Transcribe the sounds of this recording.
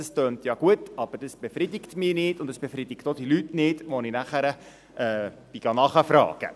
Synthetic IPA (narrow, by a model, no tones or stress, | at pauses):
ɑstøːntjɑɡ̥uətɑb̥əɾd̥əsb̥efridɪktmiːnɪːtʊndəsb̥efridɪktod̥ilytnɪːtʋoninæχəɾə | ʔɛ | b̥iɡɑnɑχəfrɑ̰ːɡ̥ə̰